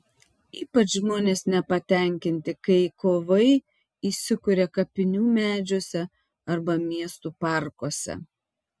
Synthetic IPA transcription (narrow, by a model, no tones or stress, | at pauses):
iːpɐt͡ʃʒmoːnʲeːsnʲɛpɐt̪ʲɛˑŋʲkʲɪnʲt̪ʲɪkɐɪkoːʋɐɪ | iːsʲɪkʊɾʲɛkɐpʲɪnʲuːmʲæːd͡ʒʲoːsʲɛ | ɐɾbɐmʲiɛst̪uːpɑˑɾkoːsʲɛ̰